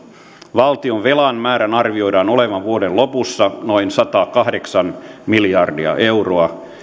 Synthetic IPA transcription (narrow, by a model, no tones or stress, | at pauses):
ʋɑlt̪ioʋʋelɑnmæːɾænɑrʋio̞jdɑːnoleʋɑnʋuodellopusːɑnoinsɑt̪ɑːkɑhdeksɑnmiljɑrdiɑ̰ʔeuroɑ